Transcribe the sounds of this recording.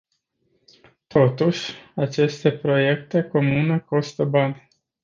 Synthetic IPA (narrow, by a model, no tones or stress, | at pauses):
t̪ʰo̞t̪uʃʲat͡ʃe̞st̪e̞pɾo̞je̞kt̪e̞ko̞mune̞ko̞st̪əbanʲ